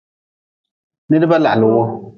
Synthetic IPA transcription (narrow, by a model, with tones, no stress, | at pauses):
nɪ˦dɪ˦ba˦la˨ʔlɪ˨wʊ˦